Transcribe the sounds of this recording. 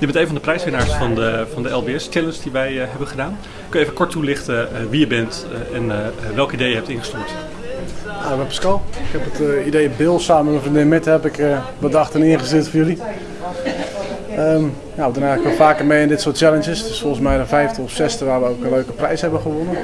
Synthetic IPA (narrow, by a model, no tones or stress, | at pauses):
jəbɛntejnfɑndəprɛjsʋɪnaɹsfɑnəfɑndəɛlˠbeɛst͡ʃɛlənsdiʋɛjɦɛbəχədaːn | køjevəkɔɹtulɪχtəʋijəbɛnt | ɛnʋɛlˠkidejəɦɛp̚tɪ̃nχəstyːɹt | naʋɛpə̥skɔlˠɪkhɛpətidejəbɪlˠsaːməməfrəndɪnmɪthɛpɪkəbədɑxtənɪənχəsyətfɔjøli | əm | nawədɔnɛjɣləkʋɛlˠfaːkərmejɪndɪtsʊət̚t͡ʃɛlˠənt͡ʃjəsdøsfɔlˠəsmɛjdəfɛjftəɔfsɛstəʋaːrʋəowkənløːkəprɛjshɛbəχəʋonən